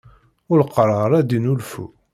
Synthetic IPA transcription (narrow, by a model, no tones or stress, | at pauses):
ʊlqːərˤɑɾˤæd̪inulfṵ